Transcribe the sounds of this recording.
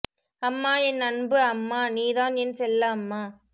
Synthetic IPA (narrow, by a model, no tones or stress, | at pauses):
ɐmːaːɛnɐnbɯɐmːaːniːðaːnɛnsɛlːɐɐmːaː